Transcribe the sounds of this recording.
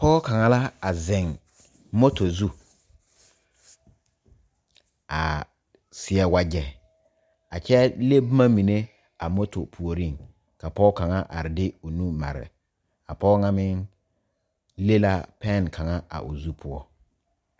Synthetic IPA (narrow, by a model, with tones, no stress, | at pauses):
pɔː˦ka˨ŋa˨la˦a˨zɪ˨ŋ | mo˦to˨zu˦ | a˨ | sɪ˦ɛ˦wa˦d͡ʒɛ˨ | a˨t͡ʃɛ˦le˦bʊ˦ma˦mi˨ne˦ | a˨mo˦to˨pʰu˨o˨ɾi˦˨ŋ | ka˨pɔː˦ka˨ŋa˦ʔa̰˨ɾɪ˨dɪ˦ʊ˨nũ˦ma̰˨ɾɪ̰˨ | a˨pɔː˦ŋa˦mɪ˦ŋ | le˦la˦pɛ˦˨nkʰa˨ŋa˦a̰˨ʔʊ̰˨zu˦pʰʊ˦ɔ˦